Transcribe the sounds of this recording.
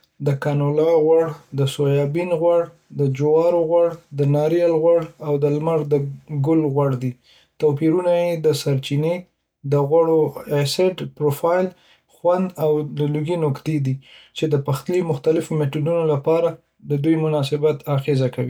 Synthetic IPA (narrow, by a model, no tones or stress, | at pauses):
d̪əkɑnolɑɣwaɽd̪əsojɑbinɣwaɽ | d̪əd͡ʒʊwɑɾoɣwaɽd̪ənɑɾialɣwaɽawd̪əlmaɾd̪əɡʊlɣwaɽd̪i | t̪awpiɾunajed̪əsaɾt͡ʃine | d̪əɣwaɽoesɪɖpɾofɑjl | xwand̪awd̪əluɡinokt̪ed̪it͡ʃed̪əpaxt̪limʊxt̪alɪfometuɖunolapɑɾa | d̪əd̪ujmʊnɑsɪbat̪aɣezakawi